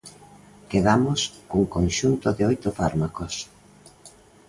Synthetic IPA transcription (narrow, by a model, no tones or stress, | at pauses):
keðamoskuŋkonʃunt̪ʊðɪojt̪ʊfaɾmakos